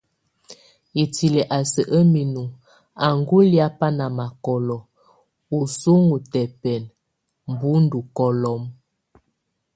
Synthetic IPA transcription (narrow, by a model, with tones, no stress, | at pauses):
i˨ti˨lɛ˨ʔa˨sə˨ʔə˦mi˨nu˨ | a˨ŋɡu˦lja˦pa˦na˨ma˨kɔ˨lɔ˨ | u˨su˦ŋu˨tɛ˨pɛ˨n | m˨bu˦n˦du˨kɔ˨lɔ˦m